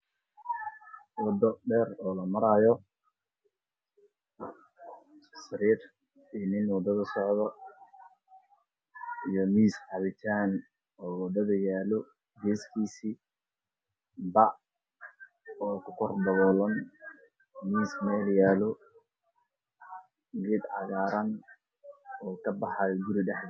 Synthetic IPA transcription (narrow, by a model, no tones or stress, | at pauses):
wɑd̪ɔɖɛːɾɔːlɐmɐɾaːjɔ | sɐɾiːr | inɪnwɐd̪ɐðɐsɔʕðɔ | ijɔmiːsħɑβɪt̪ʰaːn | ɔːwɐd̪ɐðɐjaːlɔ | ɡɛːskʰiːsiː | bɐ | ɔːkʰʊ̥kʰɔrbɐɣɔːlɐn | miːsmɛːljaːlɔ | ɡɛd̪ʕɑ̰ɣaːɾɐn | ɔːkʰɐbɑħɑjɡʊɾɪɖɛħd̪